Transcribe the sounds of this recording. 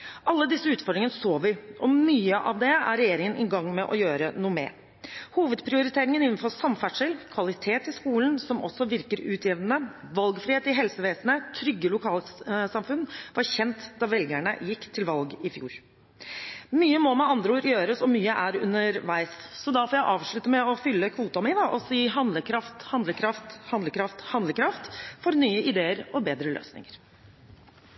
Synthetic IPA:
ʔɑlːəd̪ɪsːəʉːt̪fɔɖɾɪŋənəsoːʋɪʔɔmyːəʔɑ̰ʋd̪ɛæ̰ɾɛjeːɾɪŋənʔɪɡɑŋːmɛʔɔjøːɾənuːəmɛ̰ː | huːʋəd̪pʰɾɪʊɾɪt̪ʰeːɾɪŋənɪnn̩fɔsɑmfæʈʂəlkʰʋɑlɪt̪ʰeːt̪ɪskuːln̩sɔmɔ̰sːɔʋɪɾkəɾʉːt̪ʰjɪʋd̪ənəʋɑlɡfɾɪheːt̪ɪɦɛlsəʋeːsənət̪ʰɾʏɡːəlʊkʰɑːlsɑmfʉnʋɑɾçɛnt̪d̪ɑʋɛlɡæɳə̰jɪkːt̪ʰɪlʋɑlɡɪfjṵːɾ | myːəmɔmɛɑnd̪ɾəuːɾjøːɾəsɔmyːəʔæɾʉ̰nəɾʋæɪsːɔd̪ɑfɔːjæɪʔɑːʋʂɭʉt̪əmɛɔfʏlːəkʰʋuːt̪ɑmɪd̪ɑʔɔsiːɦɑnd̪ləkʰɾɑft̪hɑnd̪ləkʰɾɑft̪hɑnd̪ləkɾɑft̪hɑnd̪ləkʰɾɑft̪fɔɾnyːəʔɪd̪eːəɾɔbeːd̪ɾəlø̰ːsnɪ̰ŋəɾ

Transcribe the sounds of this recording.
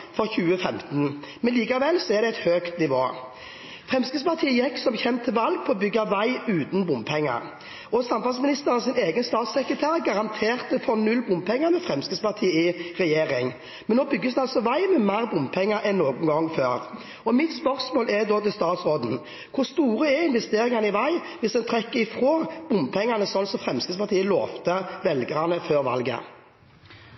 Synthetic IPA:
fɔʁçʉːəfɛmt̪n̩mɛnliːkɑʋɛlsɔɛʁd̪ɛæɛɪt̪høːkt̪nɪʋoː | fʁɛmskəspʰɑʁt̪ʰiːjɛksɔmçɛmt̪ʰɪlʋɑlɡ̚pʰɔɔbʏɡːɑʋæɪʉːt̪nbʊmpʰɛŋːə̰ʁ | ʔɔsɑmfɑlsmɪnɪst̪əʁɑsɪneːɡənst̪ɑːt̪sɛkɾət̪ʰæːʁɡɑʁɑnt̪ʰeːʁt̪əfɔnʉlbʊmpʰɛŋːəmɛfʁɛmskəspɑʁt̪ʰiːɪʁɛjeːʁɪŋ | mɛnoːbʏɡːəsd̪ɛɑlsɔʋæɪmɛmæʁbʊmpʰɛŋːəɾʔɛnːoːɡŋ̩ɡɔŋːføːʁ | ɔmɪt̪spœʁsmoːlʔɛd̪oːt̪ʰɪlst̪ɑːt̪sʁoːd̪n̩ | kʰʊʁst̪uːʁəɛɪnʋɛst̪eːɾɪŋɑnəɪʋæɪ | ʋɪsd̪ɛnt̪ʰʁɛkːəɪfɾoːb̥ʊmpʰɛŋːɑnəsɔnsɔfʁɛmskəspʰɑʁt̪iːəlo̰ːʋt̪əʋɛlɡəɑnəføːʁʋɑ̰lɡə̰

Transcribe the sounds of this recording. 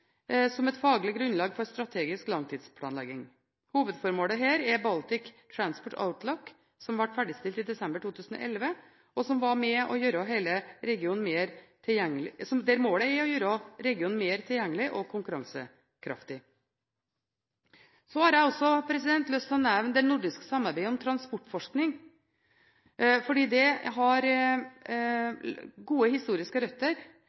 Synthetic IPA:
sɔmɛt̪fɑːɡlɪɡɾʉnlɑːɡfɔɾst̪ɾɑt̪ʰeːɡɪsklɑŋt̪ʰiːd̪spʰlɑ̰ːnlɛ̰ɡɪŋ | huːʋəd̪fɔɾmoːləɦeːɾɛbɑlt̪ɪkt̪ʰɾɑnspɔʈa̰ʊt̪ʰlɔkː | sɔmʋæʈːfæɖɪst̪ɪlt̪ɪd̪ɛsɛmbəʈʰuːt̪ʰʉːsn̩ɔ̰ːʔɛlʋə | ɔsɔmʋɑmɛʔɔjøːɾəɦeɪləɾɛɡɪuːn̩meːɾt̪ʰɪjɛŋlɪsɔmd̪ɛɾmoːləɛɔjøːɾɔɾɛɡɪuːnn̩meːɾt̪ʰɪljɛŋːəlɪʔɔkʰʊŋkʉɾɑ̰ŋsə | kʰɾʔɑ̰ft̪ɪ | sɔhɑɾjæɪɔsːɔpʰɾɛsɪd̪ɛnt̪lœst̪ɔnɛʋnd̪ɛnʊɖɪskə̥sɑmːɑɾbæɪəɔmt̪ʰɾɑnspɔʈːfɔʂknɪŋ | fɔɖiːd̪ɛɦɑɾ | ɡuːəhɪst̪uːɾɪskəɾœt̪ːəɾ

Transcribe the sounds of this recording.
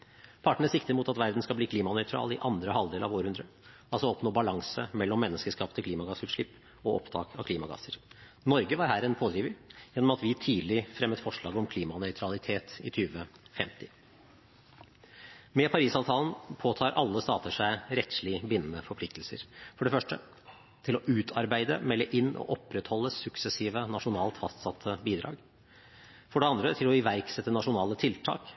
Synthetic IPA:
pʰɑʈəɳ̩əsɪkt̪əɾmuːt̪ɑt̪ʋæɾd̪n̩skɑbliːkʰliːmɑnœʏt̪ʰɾɑ̰ːlɪʔɑnd̪ɾəhɑld̪eːlɑ̰ʋoːɾəhʉnd̪ɾə | ɑlsɔɔpnoːbɑlɑŋsə̰mɛlːɔmːɛnːəskəʂkɑːpət̪ʰəkʰliːmɑɡɑsʉːʂɭɪpː | ɔʔɔpt̪ʰɑ̰ːkʰɑkʰliːmɑɡɑ̰səɾ | nɔɾɡəʋɑɾɦæːɾɛnpʰoːd̪ɾiːʋəjɛnːɔmɑt̪ʋɪt̪ʰiːd̪l̩ɪfɾɛmːət̪fɔʂɭɑːɡɔmkʰliːmɑnœʏt̪ʰɾɑlɪt̪ʰeːt̪ɪ̰t̪ʰyːʋəfɛmt̪ɪ | mɛpʰɑɾiːsɑːʋt̪ʰɑːlən̩pʰoːt̪ʰɑːɾʔɑlːəst̪ɑːt̪əʂæɪɾɛt̪slɪbɪnːənəfɔɾpʰlɪk̚t̪lsə̰ɾfɔɖɛfœʂʈə | t̪ʰɪlɔʔʉːt̪ʰɑɾbæɪd̪ə̰mɛlːəʔɪnːʔɔ̰ʔɔpɾɛt̪hɔlːəsʉksɛsiːʋənɑʂʊnɑːlt̪fɑst̪sɑt̪ʰːəbiːd̪ɾɑ̰ːɡ | fɔɖɛɑnd̪ɾət̪ʰɪlɔɪʋæɾksɛt̪ːənɑʂʊnɑːlət̪ʰɪlt̪ʰɑ̰ːk

